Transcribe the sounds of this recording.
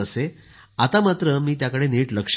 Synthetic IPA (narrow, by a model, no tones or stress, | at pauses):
əse | at̪amat̪ɾəmiːt̪jakəɽeniːʈləkʂ